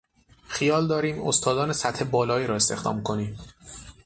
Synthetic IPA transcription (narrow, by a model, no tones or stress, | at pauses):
xijɒːld̪ɒːɾiːmost̪ʰɒːd̪ɒːnesæt̪he̞bɒːlɒːiːɾɒːe̞st̪e̞xd̪ɒ̰ːmkʰo̞niːm